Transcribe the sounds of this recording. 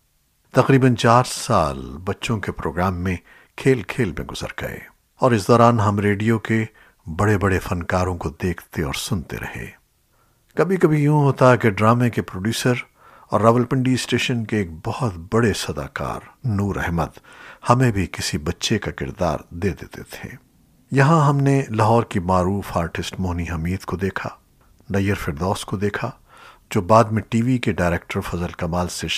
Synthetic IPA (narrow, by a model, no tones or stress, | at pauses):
t̪ɐqɾiːbənt͡ʃaːɾsa̰ːlbɐtːʃõkepɾoːɡɾaːmːẽ | kʰeːlkʰeːlmḛ̃ɡʊz̥ə̰ɾɡ̥ɐ̰ḛː | ɔːɾɪsd̪ɔːɾaːnɦɐmɾeːɖijoke | bɐɽebɐɽefɐnkaːɾõkod̪eːkʰt̪eɔ̰ːɾsʊnt̪ḛɾʔɐ̰hḛː | kɐbʱikɐbʱijũɦoːt̪aɦɛkeɖɾaːmekepɾoːɖjuːsəɾ | ɔ̰ːɾːaːʋəlpɪ̃ɳɖiːsʈeːʃənkeːk̚bɐhɔt̪bɐɽesɐd̪a̰ːka̰ːɾnuːɾʔɛ̰ɦməd̪hɐmẽbʱikɪsibɐtːʃekakɪ̰ɾd̪a̰ːɾd̪eːd̪ḛːt̪ḛt̪ʰḛ̃ː | jɐɦãɦɐmnelɐɦɔːɾkimaːɾuːfaːɾʈɪsʈmoːniɦɐmiːd̪kod̪eːkʰa̰ | nɐjəɾfɪɾd̪ɔːskod̪eːkʰa | d͡ʒoːbaːd̪mẽʈiːʋikeɖaːɪɾeːk̚ʈəɾfɐzəlkɐmaːlse